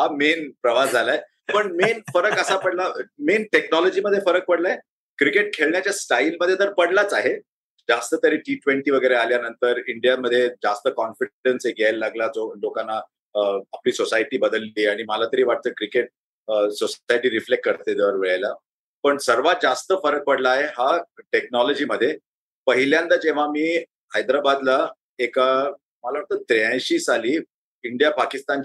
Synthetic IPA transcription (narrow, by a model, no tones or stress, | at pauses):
ɦamenpɾəʋad͡zʱalae | pəɳmenfəɾəkəsapəɽlamenʈeknɔlɔd͡ʑiːməd̪ʱːjefəɾək̚pəɽlae | kɾikeʈ̚kʰeɭɳjat͡ɕjasʈailməd̪ʱːjet̪əɾpəɽlat͡saɦe | d͡zast̪ət̪əɾiʈiːʈʋeɳʈiːʋəɡəjɾealjanənt̪əɾiɳɖijaməd̪ʱːjed͡zast̪əkɔnfiɖənseɡʱjajllaɡlad͡zolokanːa | əapliːsosajʈiːbəd̪əlːiːaɽ̃iməlat̪əɾiːʋaʈ̚t̪əkɾikeʈ̚ | sosajʈiːɾiflekʈ̚kəɾt̪ed̪eʋəɾʋeɭajla | pəɳsəɾʋad͡zast̪əfəɾək̚pəɽlaːɦeɦaʈeknɔlɔd͡ʑiːməd̪ʱːje | pəɦiljand̪ad͡ʑeʋ̤amiː | ɦajd̪ɾabad̪la | eka | məlaʋaʈ̚t̪ət̪ɾaɕiːsaliː | iɳɖijapakist̪an